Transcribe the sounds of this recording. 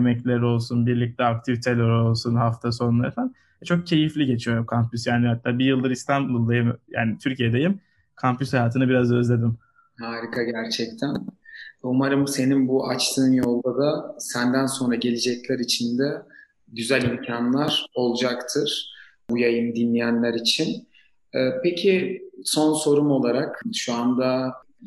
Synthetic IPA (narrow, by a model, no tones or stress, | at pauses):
jmɛclʲeɾo̞lˠsunbiɾlʲic̚t̪ʰɛak̚t̪ʰivit̪ʰelʲɛɾo̞lˠsunhaft̪ʰaso̞ɾunlˠaɾfæn | ɛt͡ʃʰo̞k̚cʰe̞jiflʲiɟe̞t͡ʃʰijo̞ɾumkʰampʰysjaːnihat̪ʰːaːbijɯlˠd̪ɯɾist̪ʰanbulˠd̪ajimja̰ːnit̪ʰyɾcijed̪e̞jim | kʰampyshajaːt̪ʰɯnɯbiɾazø̞zlʲe̞d̪im | haːɾikʰaɟæɾt͡ʃʰɛc̚t̪ʰænumaɾɯmse̞ninbuʔat͡ʃt̪ʰɯːnjo̞lˠd̪ad̪asænd̪ænso̞nɾaɟe̞lʲid͡ʒɛclʲæɾit͡ʃʰind̪ɛ | ɟyzælʲimcʰanlˠaɾ̥o̞lˠd͡ʒakt̪ʰɯɾ̥ | bujajɯmd̪inlʲijænlʲæɾit͡ʃʰin | ɛːpʰecʰiso̞nso̞ɾumo̞lˠaɾakʃuand̪a